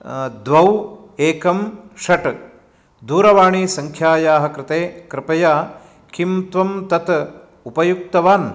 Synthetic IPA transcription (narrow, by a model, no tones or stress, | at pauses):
d̪ʋɐw | eːkɐmʃɐʈ | d̪uːɾɐʋaːɳiːsɐŋkʰjaːjaːɦɐ̆kɾɪt̪eːkɾɪpɐjaː | kimt̪ʋɐmt̪ɐt̪ | upɐjuk̚t̪ɐʋaːn